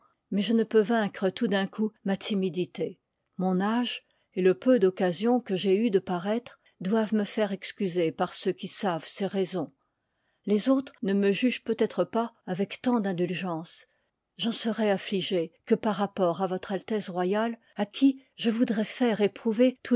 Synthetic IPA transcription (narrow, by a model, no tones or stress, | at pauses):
mɛʒənəpøvɛ̃kχət̪ud̪ɛ̃kʰumat̪ʰimid̪it̪e | mɔ̃naʒ | eləpød̪ɔkazjɔ̃kəʒeyd̪əpaʁɛt̪χ | d̪wavməfɛʁɛkskʲyzepaʁsøkʲisavseʁezɔ̃ | lezot̪χnəməʒyʒpøt̪ɛt̪χəpaavɛkt̪ɑ̃d̪ɛ̃d̪ylʒɑ̃s | ʒɑ̃səʁɛafliʒekəpaʁːapɔʁavɔt̪χalt̪ɛsʁwajal | akʲʰiʒəvud̪ʁɛfɛʁepχuvet̪ʰu